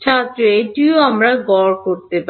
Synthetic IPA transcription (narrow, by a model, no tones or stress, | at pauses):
t͡ʃʰat̪ːɾoeʈioamɾaɡɔɾkoɾt̪epa